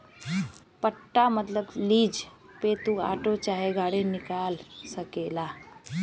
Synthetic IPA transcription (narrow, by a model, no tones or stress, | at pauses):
pəʈːamət̪ləbliːd͡ʒ | peːt̪ua̰ːʈot͡ʃaːɦeɡʱaːɽenɪkaːlsəkeːlaː